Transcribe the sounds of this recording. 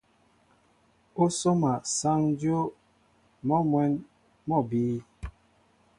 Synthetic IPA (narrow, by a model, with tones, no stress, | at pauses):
o˦so˦ma˨sa˦ŋ˦djo˦ | mɔ˦mwɛ˨˦n | mɔ˦˨biː˨˦